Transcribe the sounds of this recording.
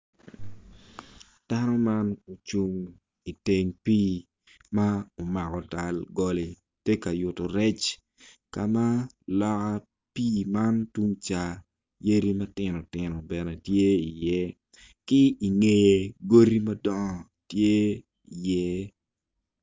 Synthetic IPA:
d̥a˦nɔ˦ma˦no˨t͡ʃu˦ŋ | i˨te˨ŋpiː˦ | ma˦o˨ma˨kɔ˨ta˨lɡɔ˦le˨ | te˦ka˨jʊ˨to˨ɾɛ˦t͡ʃ | ka˨ma˦ | lɔ˦ka˦ | piː˦ma˦ntu˦ŋt͡ʃa˨ | je˦ɾi˦mɐ˦tɪ˨nɔ˨tɪ˨nɔ˨bɛ˨nɛ˨tje˦i˨jɛ˦ | kɪ˦i˨ŋe˦je˨ɡo˦ɾi˦mɐ˦dɔ˦ŋɔ˨ | tje˦ | i˨jɛ˦

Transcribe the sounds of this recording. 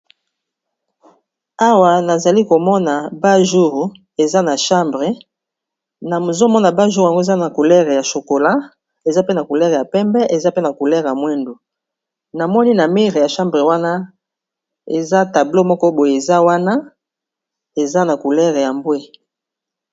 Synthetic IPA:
a˦wa˨na˨za˨li˦ko˨mɔ˦na˨ba˦ʒu˦ʁ | e˨za˦na˨ʃã˦mbʁe˨ | na˨zo˦mɔ˦na˨ba˦ʒu˦ʁa˨ŋɡo˦e˨za˦na˨ku˨lɛ˦ʁe˨ja˨ʃo˨ko˨la˦ | e˨za˦pe˦na˨ku˨lɛ˦ʁe˨ja˨pɛ˦mbɛ˦ʔe˨za˦pe˦na˨ku˨lɛ˦ʁja˨mwɛ˦ndu˨ | na˨mɔ˦ni˦na˨mi˦ʁe˨ja˨ʃã˦mbʁe˨wa˦na˦ | e˨za˦ta˨blo˦mɔ˦kɔ˦bo˨je˨e˨za˦wa˦na˦ | e˨za˦na˨ku˨lɛ˦ʁe˨ja˨mbwe˦

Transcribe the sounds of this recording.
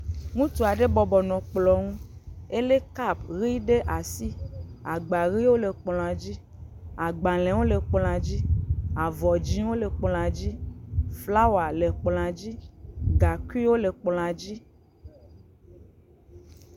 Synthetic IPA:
ŋũ˦t̪u˨a˨ɖe˦bɔ˨bɔ˨nɔ̃˨k͡plɔ˨ŋũ˦e˦le˦ka˦˨bɣi˦ɖe˦ʔa˨si˦a˨ɡ͡ba˨ɣi˦wo˦le˨k͡pl̃ã˨d͡ʑi˦ | a˨ɡ͡ba˨l̃ɛ̃˨wo˦le˨k͡pl̃ã˨d͡ʑi˦a˨vɔ˨d͡ʑi˦wo˦le˨k͡pl̃ã˨d͡ʑi˦fla˦wa˨le˨k͡pl̃ã˨d͡ʑi˦ɡa˨ki˦wo˦le˨k͡pl̃ã˨d͡ʑi˦

